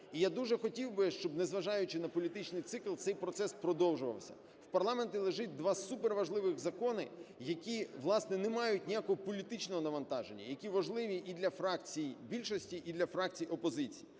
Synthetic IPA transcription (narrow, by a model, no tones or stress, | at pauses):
ijad̪uʒɛxɔtʲiwbɪʃt͡ʃɔbnezʋɐʒɑjʊt͡ʃɪnɐpɔlʲit̪ɪt͡ʃnɪjt̪sɪklˠt̪sɛjpɾɔt̪sɛspɾɔd̪ɔwʒʊʋɐ̰wsʲɐ̰ | wpɐrlˠɑment̪ʲɪlˠeʒɪt̚ʲd̪ʋɑsupeɾʋɐʒlˠɪʋɪxzɐkɔnɪjɐkʲiʋlˠɑsnɛnemɑjʊtʲnʲijakɔɦɔpɔlʲit̪ɪt͡ʃnɔɦɔnɐʋɐnt̪ɑʒenʲːɐ̰jɐkʲiʋɐʒlˠɪʋʲiʔid̪lʲɐfɾɑkt͡sʲijbʲilʲʃɔsʲtʲiʔid̪lʲɐfɾɑk̚t͡sʲijɔpɔzɪt͡sʲiji